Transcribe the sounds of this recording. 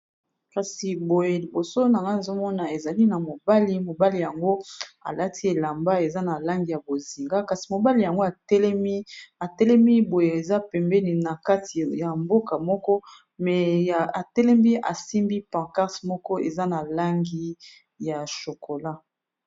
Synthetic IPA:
ka˨si˨bo˨je˨li˨bo˨so˦na˨ŋɡa˦ne˨zo˦mɔ˦na˨e˨za˨li˦na˨mo˨ba˦li˦mo˨ba˦li˨ja˨ŋɡo˦a̰˨la˦tʰi˦e˨la˨mba˦e˨za˦na˨la˦ŋɡi˨ja˨bo˨zi˨ŋɡa˦ka˨si˨mo˨ba˦li˨ja˨ŋɡo˦a˨tɛ˦lɛ˦mi˦a˨tɛ˦lɛ˦mi˦bo˨je˨e˨za˦pɛ˨mbɛ˦ni˨na˨ka˦ti˨ja˨mbo˦ka˨mɔ˦kɔ˦ | mɛ˨a˨tɛ˦lɛ˦mbi˦ʔa̰˨si˦mbi˦pã˨ʁka˦ʁsmɔ˦kɔ˦ḛ˨za˦na˨la˦ŋɡi˦ | ja˨ʃo˨kʰo˨la˦

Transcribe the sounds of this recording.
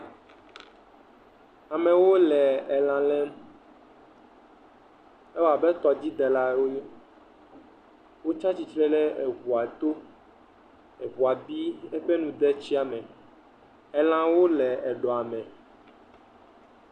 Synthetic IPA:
a˨mɛ̃˨wo˦lɛ˨ɛ˨lã˨lɛ˦m | ɛ˦wa˨bɛ˦t̪ɔ˨d͡ʑi˦d̪ɛ˨la˦wo˦j | wo˦t͡ʃa˦t͡ɕi˨t͡ʃɾɛ˦lɛ˦ʔe˨ɣu˨a˨t̪o˦ | e˨βu˨a˨bi˦e˦ɸe˦nũ˨d̪ɛ˦t͡ɕi˦a˨mɛ̃˨ | ɛ˨lã˨wo˦lɛ˨ɛ˨ɖɔ˨a˨mɛ̃˨

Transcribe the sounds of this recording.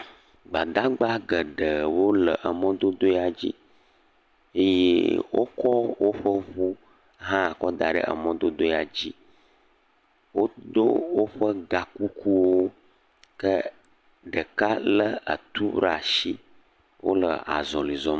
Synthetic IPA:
ɡ͡ba˨d̪a˦ɡ͡ba˦ɡə˨ɖə˨wo˦lə˨ʔə˨mə̃˦d̪o˦d̪o˦ja˨d͡ʑi˦ | e˦jeḛ˦wʔo̰˦kɔ˦wo˦ɸə˦βu˦ | ɦã˦a˨kɔ˦d̪a̰˨ɖə̰˦˨ʔə̰˨mə̃˦d̪o˦d̪o˦ja˨d͡ʑi˦ | wo˦d̪o˦wo˦ɸə˦ɡa˨ku˦ku˦wo˦ | kə˦ | ɖə˨ka˦lə˦ə̰˨t̪u˦ɾa˨ʃi˦ | wʔo̰˦lə̰˨a̰˨zɔ̃˨li˨zɔ˦m˦

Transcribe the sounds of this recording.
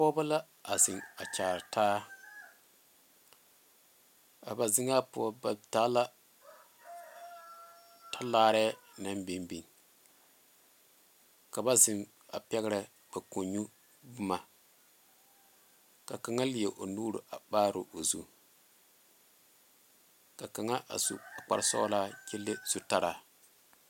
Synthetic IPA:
pɔ˦ba˦la˦ | a˨zɪ˨ŋa˨t͡ʃaː˨ɾtʰaː˦ | a˨ba˨zɪ˦ŋa˦pʊ˦ɔ˦ba˨ta˦la˦ | tʰa˦laː˦ɾɛː˦ | na˦mbi˨nbi˨ŋ | ka˨ba˦zɪ˨ŋ | a̰˨pɛ˦ɣɾɨ˨ | b̥a˨ko˨ɲu˦ | bʊ˦ma˨ | ka˨ka˨ŋa˦lɪ˨e˨ʔo˨nuː˦ɾṵ˨ʔa˨baː˦ɾo˨ʔo˨zṵ˦ | ka˨ka˨ŋa˦ʔa̰˨sṵ˨a˨k͡pa̰˨ɾsɔ̰˦la˦kɪ˦lːɪ˦z̥u˨ta˦ɾa˨

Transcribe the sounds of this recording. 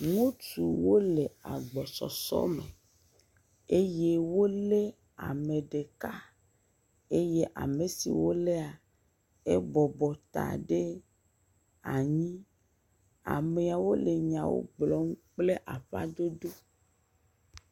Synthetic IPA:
ŋũ˦t͡ʃu˨wo˦le˨a̰˨ɡ͡bɔ˨sɔ̰˨sɔ̰˦me˨ | e˦je˦wo˦le˦ | a̰˨me˨ɖe˨ka˦ | e˦je˦ʔa̰˨me˨sḭ˨wo˦le˦a˨ | e˦bɔ˨bɔ˨t̪a̰˨ɖe˦ | a˨ɲĩ˦ | a̰˨me˨a˨wo˦le˨ɲã˨wo̰˦ɡ͡blɔ˦ŋu˦k͡ple˦ʔa˨ɸa̰˦d̪o˦d̪o˦

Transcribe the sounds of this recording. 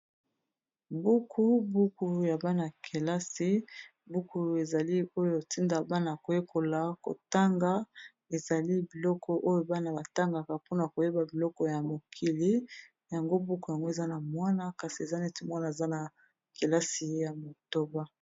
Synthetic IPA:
bu˦kʰu˦bu˦ku˨ja˨ba˦na˨kʰe˨la˦si˦ | bu˦ku˨e˨za˨li˦o˦jo˨ti˦nda˨ba˦na˨a˨ko˨je˦kʰo˨la˨ko̰˨ta˦ŋɡa˨˦ | e˨za˨li˦bi˨lɔ˦kʰɔ˨ʔo˦jo˦ba˦na˨ba˨ta˦ŋɡa˨ka˨pu˦na˨a˨ko˨je˦ba˨bi˨lɔ˦kɔ˨ja˨mo˨kʰi˨li˦ | ja˨ŋɡo˦bu˦ku˨ja˨ŋɡo˦e˨za˦na˨mwa˦na˦ka˨si˨e˨za˦nɛ˦te˨mwa˦na˨e˨za˦na˨ | ke˨la˦si˨jja˨mo˨to˦ba˦

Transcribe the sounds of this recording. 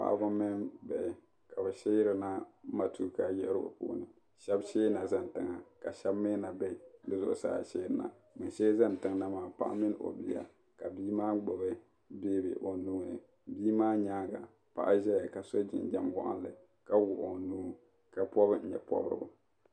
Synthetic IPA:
pa̰˨ʔbʊ˦mɪ˦nbɛ˨ʔɪ˨ | ka˨bɛ˨ʃɛ˦ji˦ɾɨ˦na˦ma˦tu˦˨ka˨jɛ˦ʔɾɨ˦bʊ̰˨po̰ː˦nɨ˨ | ʃɛ˦bʃeː˦na˨za˦n˨tɨ˨ŋa˨ka˨ʃɛ˦bme˦na˨bɛ˦˨dɨ˦zʊ˨ʔʊ˨sa̰ː˦a̰˨ʃeː˦ɾna̰˨ | mɨ˨nʃɛ˦za˦n˨tɨ˦ŋna˦maː˨pa̰˦ʔa̰˦mɪ˦n˦ʔo̰˨bi˦a̰˨ | ka˨biː˦maː˦ɡ͡bo˨bɛ˦ | be˦bḛ˨bo˨˦nu˦ŋ˨ḛ˨ | biː˦maː˦ɲaː˦ɡa˨ | pa̰˨ʔa˦ʒɛ˦ja˨ka˨so˦d͡ʒɪ̰˨n˨d͡ʒɛ˦mwɔ̰˦ʔa̰˦nlɨ˨ | ka˦wʊ˨ʔʊ˨nuː˦ | ka˨pɔ˦bɨ˦n̩˨ɲɛ̰˨pɔ̰˦bɾɨ̰˨bʊ˨

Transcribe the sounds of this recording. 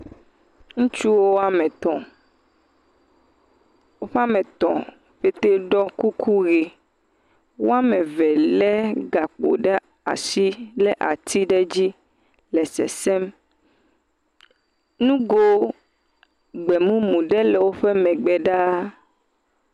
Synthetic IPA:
ŋũ˦t͡ʃu˦wo˦a˨mɛ̃˨t̪ɔ̃˨ | wo˦ɸe˦a˦mɛ̃˨t̪ɔ̰̃˨ | ɸe˦t̪e˦ɖɔ˦ku˦kʰu˦ɣe˨ | wo̰˦a˦mɛ̃˨vɛ˨lɛ˦ɡa˨k͡po̰˨ɖɛ˦ | a̰˨si˦lɛ˦ʔa˨t̪ʰi˦ɖɛ˦d͡ʑi˦ | lɛ˨sɛ̰˨sɛ˦m | nũ˦ɡo˦ | ɡ͡bɛ˨mũ˦mũ˨ɖɛ˦lɛ˨wo˦ɸɛ˦mɛ̃˨ɡ͡bɛ˨ɖa˦

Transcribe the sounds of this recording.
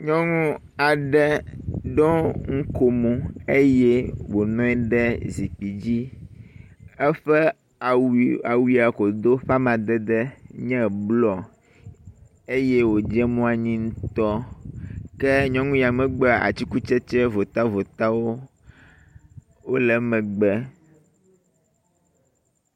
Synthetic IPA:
ɲɔ̃˦ŋũ˦ | a˨ɖɛ˦ɖɔ˦ŋ̩˦ko˨mũ˨e˦jɛ˦wo˨nɔ̃˦ɛ˦ɖɛ˦zi˨k͡pi˨d͡ʑi˦ | ɛ˦ɸɛ˦˨ | a˨wi˨a˨ko˨d̪o˦ɸa˦mã˨d̪ɛ˦d̪ɛ˦ɲɛ̃˦blɔ˨ | e˦jɛ˦wo˨d͡ʒɛ˦mɔ̃˦a˨ɲĩ˦ŋũ˦t̪ɔ˦ | kɛ˦ɲɔ̃˦ŋũ˦ja˨mɛ̃˨ɡ͡bɛ˦˨a̰˨t͡ɕi˦ku˦t͡ʃɛ˦t͡ʃɛ˦vo˨t̪a˦vo˨t̪a˦wo˦ | wo˦lɛ˨mɛ̃˨ɡ͡bɛ˦

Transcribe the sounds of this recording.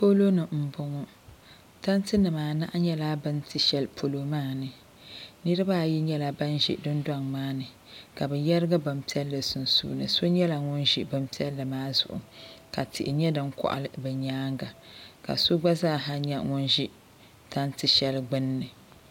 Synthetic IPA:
po˦lo˦nɨ˨m̩˨bʊ˨ŋɔ˦ | ta˦ntɨ˦nɨ˨maː˨na˦ʔa˦ɲɛ˦laː˦bɨ˦ntʰɨ˨ʃɛ˦lpʰo˨lo˨maː˦˨nɨ˨ | nɨ˦ɾɨ˦ba˦˨ji˦ɲɛ˦la˨ba˦nʒḭ˦dɨ˦nda˦˨ŋmaː˦nɨ˨ | ka˨bɨ˨jɛ˦ɾɨ˦ɡa˦ba˨mpi˦ɛ˦lːɨ˨sɨ˨n˨sṵː˦˨nɨ̰˨so˦ɲɛ˦la˨ŋʊ˦nʒi˦bɨ˦mpi˦ɛ˦lːɨ˨maː˦zʊ̰˨ʔʊ̰˨ka˨tɪ̰˨ʔɪ˨ɲɛ˦dɨ˦ŋkɔ̰˦ʔa̰˨lɨ˦bɛ˨ɲaː˦ŋɡa˨ka̰˨so˦ɡ͡ba˦zaː˦˨ɦa˦ɲɛ˦ŋʊ˦nʒi˦ | ta˦ntɨ˨ʃɛ˦lɡ͡bɨ˦nːɨ˨

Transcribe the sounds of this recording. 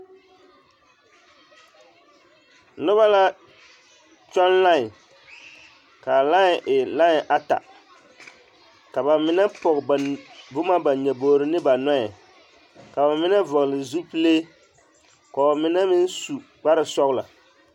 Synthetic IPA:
nʊ˦βa˦la˦ | t͡ʃɔ˦nla˦ŋ˨ | ka˨la˦ŋ˨ʔɪ˨la˦ŋ˨ʔa˦ta̰˨ | ka˨ba˨mɪ˨na˦pɔ˨ɣbʊ˦ma˦ba˨ɲɛ˨boː˨ɾɪ˦nɪ˦ba˨nɔ˦jɛ˨ | ka˨ba˨mɪ˦na˦vɔ˨ɣlɪ˨zu˦pɨ˦le˦ | kɔ˨mɪ˨na˦mɪ˦n˦su˨k͡pa˦ɾɨ˨sɔ˦ɣʊ˦la̰˨

